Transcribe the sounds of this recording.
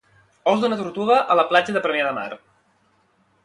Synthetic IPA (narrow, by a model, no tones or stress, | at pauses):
ɔzd̪unət̪uɾt̪uɣəʔələplad͡ʒəðəpɾəmiaðəma̰ɾ